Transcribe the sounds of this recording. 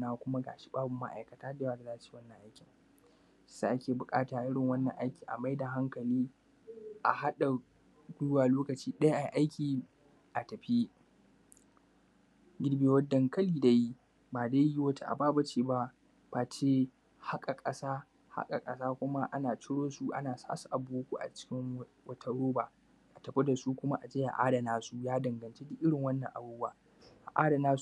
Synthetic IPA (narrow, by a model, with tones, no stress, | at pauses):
naː˦kʷʊ˦ma˦ɡa̰ː˨ʃi̥˦baː˦bʊ˨mːa̰˦ʔa̰˨jkɐ˨taː˦deː˦waː˦da˨zaː˦ʔt͡ʃi̥ː˦wɐ˦nːɐ˨ŋʔa˦jkʲɪ˨ŋ˦ | sa˨ʔa˦kʲeː˨bʊ˨kʼaː˦taː˨ʔʔɪ˦ɽɪ˨ŋwɐ˦nːɐ̰˨ŋʔa˦jkʲiː˨ʔa̰˨ma˦jda˨ɦa˦ŋkɐ˨liː˦ | ʔa˨ha˦ɗa˨ | duː˦waː˨loː˦kɐ˨t͡ʃiː˦ɗɐ˦ja˦ʔa˨jʔa˦jkʲiː˨ | ʔa˨tɐ˨ɸi˦ | ɡʲɪ˦ɽbeː˨wɐ˦dːɐ˨ŋkɐ˦liː˦˨da˨ji˦ | baː˨daː˦ji˦wɐ˦ta˦ʔa̰˨baː˦bɐ˦t͡ʃeː˨ba˦ | b̥aː˨t͡ʃeː˦ | ha˦kʼa˨kʼɐ˦saː˦ | ha̰˦kʼa˨kʼɐ˦saː˦kʷʊ˦ma˦ʔa̰˦naː˨t͡ʃɪ˦ɽoː˦su˦ʔa̰˦naː˨sa̰ː˦su˨ʔa˨boː˦kʷu˦˨ʔa̰˨t͡ʃɪ̥˦kʲɪ˦ŋ | wɐ˦tʰɐ˦ɽoː˦ba˨ | ʔa˨tɐ˨ɸe˦da˨su˦kʷʊ˦ma˦ʔa˨d͡ʒeː˦ja̰˨ʔa̰ː˦da˨naː˦su˦jaː˦dɐ˨ŋɡɐ˨nt͡ʃe˦dɪ˦ʔːɪ˦ɽɪ˨ŋwɐ˦nːɐ˨ŋʔa̰˨buː˦ɡaː˦˨ | ʔa˨ʔaː˦da˨naː˦s